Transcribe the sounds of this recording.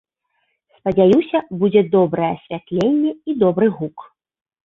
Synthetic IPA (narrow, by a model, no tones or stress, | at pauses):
spɐd͡zʲajusʲɐbud͡zʲɛd̪ɔbɾɐjɛɐsʲvʲat̪lʲenʲːɛid̪ɔbɾɨɣuk